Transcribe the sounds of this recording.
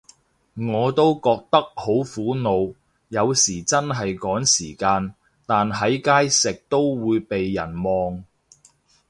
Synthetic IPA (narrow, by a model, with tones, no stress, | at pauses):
ŋɔː˨˧t̪o˥wkɔː˧k̚t̪ɐ˥k̚ho˨˥wfuː˨˥no˨˧w | jɐ˨˧wsiː˨˩t͡sɐ˥nɦɐ˨jkɔː˨˥ŋsiː˨˩kaː˧n | t̪aː˨nɦɐ˨˥jkaː˥jsɪ˨k̚t̪o˥wwuː˨˧jpe˨jːɐ˨˩nmɔː˨ŋ